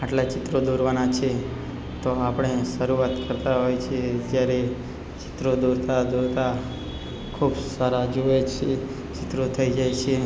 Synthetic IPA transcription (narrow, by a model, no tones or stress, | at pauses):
aʈlat͡ʃɪt̪ɾod̪uɾʋanat͡ʃʰe | t̪oapəɳ̃eʃəɾuat̪kəɾt̪aɦojt͡ʃʰed͡ʒjaɾe | t͡ʃɪ̥t̪ɾod̪uɾt̪ad̪uɾt̪a | kʰubsaɾad͡ʒoet͡ʃʰe | t͡ʃɪt̪ɾot̪ʰəid͡ʒajt͡ʃʰe